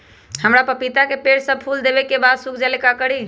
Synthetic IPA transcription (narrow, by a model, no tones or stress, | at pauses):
həmɾapəpit̪akepeɽsəb̚pʰuld̪ebɛkːebad̪sukʰd͡ʒalekakəɽi